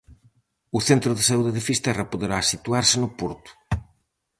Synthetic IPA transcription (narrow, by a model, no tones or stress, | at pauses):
ʊθent̪ɾʊðɪsauðeðɪfist̪ɛrapoðeɾasit̪uaɾsɪnʊpuɾt̪ʊ̥